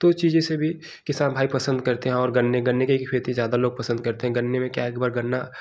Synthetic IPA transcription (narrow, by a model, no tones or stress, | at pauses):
t̪ot͡ʃiːd͡ʒesebʱi | kɪsaːnbʱaːipɐsə̃nd̪kɐɾt̪eɦɛ̃ɔːɾɡɐnːeɡɐnːekeeːt̪ĩzjaːd̪aloːɡ̚pɐsə̃nd̪̚kɐɾt̪eɦɛ̃ɡɐnːemẽkjaeːkbaːɾɡɐnːa